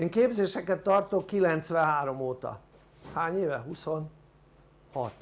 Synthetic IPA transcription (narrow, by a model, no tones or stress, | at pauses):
eːŋkeːbzeːʃɛkɛt̪ːɒrt̪o̞kːilɛnt̪sʋɛɦaːɾo̞moːt̪ɒ̰ | shaːɲeːvɛɦuso̞n | hɒt̪